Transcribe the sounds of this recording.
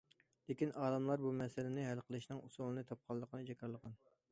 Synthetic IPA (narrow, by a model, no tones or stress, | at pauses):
d̪ekʲinɑːlɨmlˠɑɾbumɛsɪlɪnɪɦælqʰəlˠɨʃnɨŋusulˠɨnɨt̪ʰɑp̚qʰɑlˠːəqʰənɨd͡ʒɛkʰʲɑɾlˠəqɑn